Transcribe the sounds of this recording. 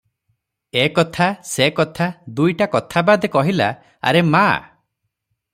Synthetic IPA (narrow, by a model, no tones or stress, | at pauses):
ekɔt̪ʰasekɔt̪ʰad̪ujʈakɔt̪ʰabad̪ekɔɦila̰ | a̰ɾema̰